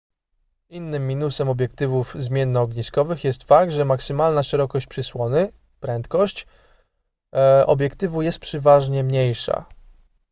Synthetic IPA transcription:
inːɘmːʲinusɛmɔbʲjɛk̚t̪ɘvuvzmʲjɛnːɔːɡɲiskɔvɘxjɛst̪fakɡ̚t̪ʐɛmaksɘmalnaʂɛɾɔkɔɕt͡ɕ̚pʂɘswɔnɘ | pɾɛnt̪kɔɕt͡ɕ | ɔ̰bʲjɛkt̪ɘvujɛst̪̚pʂɛvaʐɲɛmɲejʂa̰

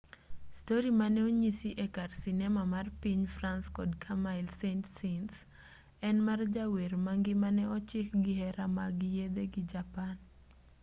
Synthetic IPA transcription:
stoɾimanɛoɲisiʔekarsinɛmamarpiɲfranskɔdkʰamaɪlsentsens | ɛnmard͡ʒaweɾmaŋɡɪmanɛɔt͡ʃɪkɡɪhɛɾamaɡɪjed̪eɡid͡ʒapan

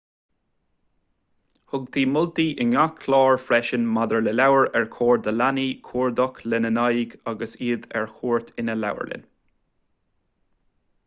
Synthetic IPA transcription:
hʊɡd̪iːmʊlt̪iːʔənakʰlɑːɹfɾɛʃənmad̪əɹlɛlawəɹɛɹkʰoːɹd̪əlaniːkʰuːɹd̪ɔklɛnənajɡaɡəsiːd̪ɛ̰ɹhuːɹt̪ʰɪnəla̰wə̰ɹlɪ̰n

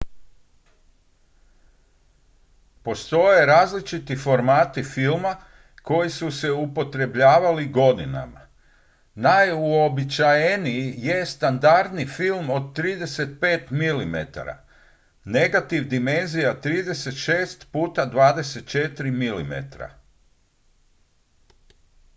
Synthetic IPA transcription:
po̞st̪o̞je̞ɾaːzlit͡ʃit̪ifo̞ɾmaːt̪ifilˠma | ko̞jisuse̞upo̞t̪ɾe̞bʎaːʋaliɡo̞d̪ina̰ma̰ | najuobit͡ʃajenijije̞st̪and̪aɾd̪nifilmo̞d̪t̪ːɾiːd̪e̞se̞t̪̚pe̞ːt̪milimḛt̪a̰ɾa̰ | ne̞ɡat̪iʋd̪ime̞nzijat̪ɾiːd̪e̞se̞t̪ʃe̞ːst̪puːt̪ad̪ʋaːd̪e̞set̪̚t͡ʃe̞t̪ɾimilḭmḛt̪ɾa̰

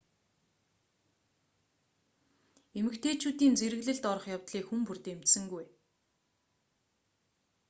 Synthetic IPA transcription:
emɘ̆kt̪ʰeːt͡ɕuːt̪iːnt͡seɾɘ̆ɣɮɘ̆ɮt̪ɔɾɞ̆χjawt̪ɮiːkxumpurt̪emt̪sɘ̆ŋɡuj

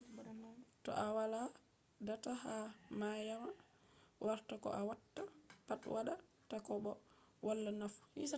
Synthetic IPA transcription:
tɔ̰ʔawala | datahamajama | wʔaɾtakɔ̰ʔawatːapatwaɗa | takɔbɔ | walːanafu̥hḭsa

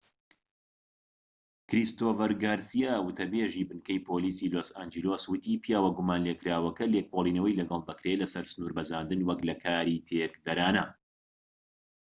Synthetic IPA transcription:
kɾist̪oːfɐɾɡaːɾsijaːwʊt̪ʰɐbeːʒiːbɨnkɐjpʰoːliːsiloːsaːnd͡ʒiloswɨt̪iːpijaːwɐɡumaːnleːkɾaːwɐkɐlekʰolˠiːnɐwɐjlɐɡɐlˠd̪ɐkɾeːlɐsɐɾsɨnuːɾbɐzaːnd̪ɨnwɐklɐkʰaːɾit̪ʰeːk̚d̪ɐɾaːnɐ

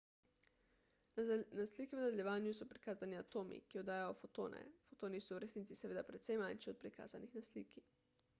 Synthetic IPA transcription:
naslikiʋənad̪eljɛʋaːnjusɔpɾikaːzaniat̪oːmḭkiɔd̪aːjajɔfot̪o̰ːnɛ̰fot̪oːnisɔwɾɛsnit̪sisɛʋeːd̪apɾɛt̪sɛjmanʃɛɔt̪̚pɾika̰ːzanixnaslḭːki

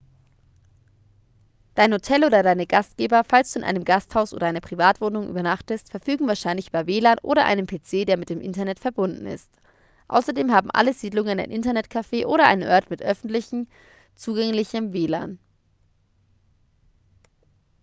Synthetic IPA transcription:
d̥aɪnhotʰɛlʔoːdɐdaɪnəɡastɡ̥eːbɐfalstd̥uːɪ̰nʔa̰ɪnəmɡasthaʊsʔo̰ːdɐʔaɪnɐpʁ̥ivaːtv̥oːnʊŋʔy̰ːbɐnaχtəstfɛɐfyːɡŋ̩vaːɐʃaɪnlɪç̥aɐveːlaːnʔo̰ːɾɐʔa̰ɪnənpʰeːt͡seːdeːɐmɪt̚d̥eːmʔɪntɐnɛtfɛɐbʊndn̩ɪ̰st | ʔa̰ʊsɐdeːmhaːbm̩ʔa̰ləziːdlʊŋəna̰ɪnʔɪntɐnɛtkʰafeːʔoːɾɐʔa̰ɪnənʔœɐtmɪtʔœfn̩tlɪçn̩ | t͡suːɡɛŋlɪçəmveːla̰ːn

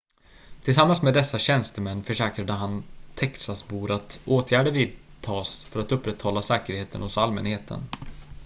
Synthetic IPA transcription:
t̪ʰɪls̬amːansmed̪ɛsːaɕɛnst̪əmɛnːfœʂɛːkɾad̪əɦant̪ʰɛksasbuːɾat̪oːt̪ʰjæːɖəviːd̪t̪ʰɑːsfœɾat̪ɵpːɾɛt̪hɔlːasɛːkəɾheːt̪ʰənhʊsalmɛ̰nheːt̪ʰə̰n

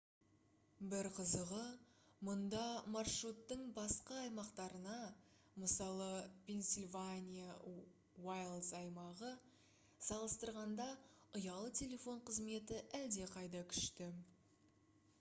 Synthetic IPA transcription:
bɪɾqʰəzəʁə | mʊnd̪ɑmɑrʂrut̪ːəɴbɑsqɑːjmɑqt̪ɑɾənɑ | məsɑlˠəpʰʲe̞nsʲilʲvanʲija | wajlˠzɑjmɑʁə | sɑlˠəst̪əɾʁɑnd̪ɑʊjɑlˠət̪ʲʰe̞lʲe̞fo̞ɴqʰəzme̞t̪ɪʔæld̪e̞qʰɑjd̪ɑkʲʰʏ̥ʃt̪ɪ

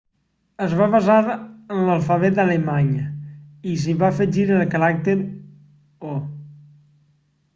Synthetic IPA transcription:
əzβaβazaɾənlalˠfaβet̪̚d̪alemaɲəis̬iβafəʒiɾəlkaɾak̚t̪eɾ | o

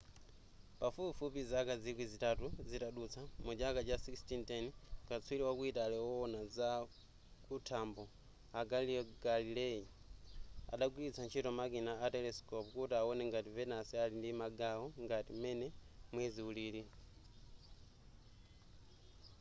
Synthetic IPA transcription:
pafupifupizakazikwizitatuzitaɗut͡sʰamud͡ʒakat͡ʃasikstintɛnkat͡sʰuwiliwakuitalɛɔɔnaza | kutʰambɔ | aɡaliɔɡalilɛi | a̰ɗaɡwilit͡sʰant͡ʃʰitɔmakinaːtɛlɛskɔpkutiawɔnɛŋɡativɛnasialindimaɡawɔŋɡatimɛnɛmwɛziuliːli

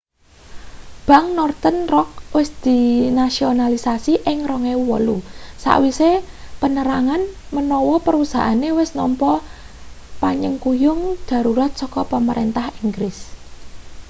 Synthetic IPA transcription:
b̥ä̤ŋnɔrt̪ənrɔk̚wɪsd̪̥i̤nasionalisasiʔɪŋrɔŋewuwɔlusa̰ʔwise | pənəɾaŋan | mənɔwɔpəɾusa̰ʔanewɪsnɔmpɔ | paɲəŋkujʊŋd̪̥a̤ɾuɾat̪̚sɔkɔpəməɾʔent̪ahiŋɡɾɪs

